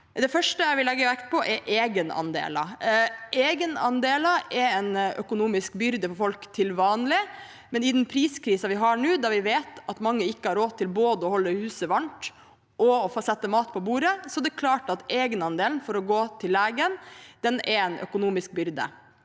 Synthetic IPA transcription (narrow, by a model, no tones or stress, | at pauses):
d̪ɛfœʂʈəjæɪʋɪlɛɡːəʋækt̪̚pʰɔʔɛɾʔeːɡənɑ̰nd̪ḛːlɑ̰ʔeːɡənɑ̰nd̪eːlɑɛɾɛnœ̰kʊnuːmɪskbʏɾd̪əfɔɾfɔlkt̪ʰɪlʋɑːnlɪ | mɛnɪd̪ɛnpʰɾiːskʰɾiːsɑʋɪɦɑɳʉːd̪ɑʋɪʋeːt̪ɑt̪mɑŋːəɪkːəhɑɾoːt̪ʰːɪlboːd̪əɔhɔlːəhʉːsəʋɑɳʈ | ʔɔɔfoːsɛt̪ːəmɑːt̪̚pʰɔbuːɾəsɔd̪ɛkʰlɑːʈɑt̪eːɡənɑnd̪eːln̩fɔɾɔɡoːt̪ʰɪlːeːɡənd̪̥ɛnɛɾɛnʔœ̰kʊnuːmɪsk̚bʏɾd̪ə̰